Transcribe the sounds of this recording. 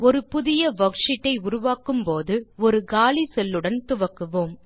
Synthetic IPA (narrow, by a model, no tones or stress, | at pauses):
ɔɾɯpʊðɪjɐʋɐkʂɪʈːɐɪʊɾʊʋaːkɯmpoːðɯɔɾɯɡaːlisɛlːɯɽɐnt̪ʊʋɐkːɯʋoːm